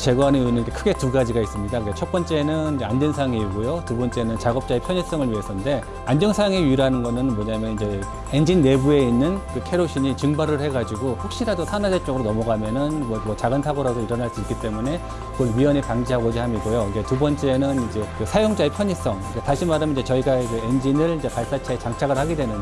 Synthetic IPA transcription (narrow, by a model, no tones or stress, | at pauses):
t͡ɕe̞ɡwaneuinɯnikekʰɯɡe̞tuɡad͡ʑiɡais͈ɯmɲidakɯɡet͡ɕʰʌt̚p͈ʌnt͡ɕ͈e̞ːnɯnid͡ʑeandwensʰajaŋiːɡojotubʌnt͡ɕ͈e̞nɯnt͡ɕaɡʌp̚t͡ɕ͈aepʰjʌɲis͈ʌŋɯɭɥiɦesʰʌnde̞ | and͡ʑʌŋsʰajaŋeɥiɾanɯnɡʌnɯnmʌɲamjʌnid͡ʑe̞ | end͡ʑinːe̞bue̞inːɯnkɯkʰe̞ɾoɕʰiɲit͡ɕɯŋbaɾɯɭhe̞ɡad͡ʑiɡoɸok̚ɕ͈iɾadosʰanadeɭt͡ɕ͈ʌɡɯɾonʌmʌɡamjʌnɯnmwʌmwʌt͡ɕaɡɯntʰaɡoɾadoiɾʌnɦaɭs͈uik͈it͈e̞mune̞ | ɡʌnɥiʌɲipaŋd͡ʑiɦaɡod͡ʑihamiɡojoid͡ʑe̞tubʌnt͡ɕ͈enɯnid͡ʑe̞kɯsʰajoŋd͡ʑaepʰjʌɲis͈ʌŋk͈ataɕʰimaɾɯmind͡ʑe̞t͡ɕʌiɡad͡ʑɯend͡ʑinɯɭid͡ʑe̞paɭs͈at͡ɕʰaet͡ɕaŋt͡ɕʰaɡɯɭhaɡidwe̞nɯn